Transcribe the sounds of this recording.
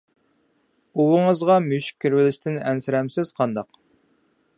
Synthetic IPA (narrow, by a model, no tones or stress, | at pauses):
uwəŋəzʁɑmyʃi̥kʲʰːiɾwɪlɪʃt̪ʰɪnɛnsɪɾɛmsɪz̥qʰɑnd̪ɑq